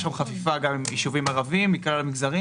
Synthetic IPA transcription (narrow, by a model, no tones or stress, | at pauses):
ʃamχafifaɡamimiʃuvimaʁavimːiklalamiɡzaʁi